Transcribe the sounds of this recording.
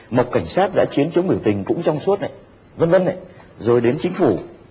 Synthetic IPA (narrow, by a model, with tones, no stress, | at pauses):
ma˨˩k͡p̚ka˧˩jŋ̟saː˦˥t̚za̰ː˧˥t͡ɕi˨˦ənt͡ɕɨ˨˦ŋmɨ˧˩ət̪ï˨˩ŋ̟kʊ̰˧˥ŋ͡mt͡ɕɔ˧wŋ͡msu˦˥t̚ʔa̰˧˨j | və˧nvə˧nʔa̰˧˨j | zo˨˩jɗe˨˦nt͡ɕï˨˦ŋ̟fu˧˩